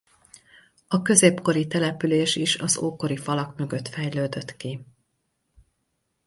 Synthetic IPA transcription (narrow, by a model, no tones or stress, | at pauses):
ɒkø̞zeːpko̞ɾit̪ɛlɛpyleːʃiʃɒzoːko̞ɾifɒlɒkmø̞ɡø̞t̪fɛjløːd̪ø̞t̪ki